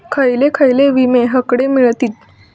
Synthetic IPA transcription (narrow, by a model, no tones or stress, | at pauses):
kʰəjlekʰajleʋimeɦəkɽemiɭt̪iːt̪̚